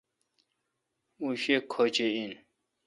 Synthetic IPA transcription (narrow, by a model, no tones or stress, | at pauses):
uɕekʰot͡ɕein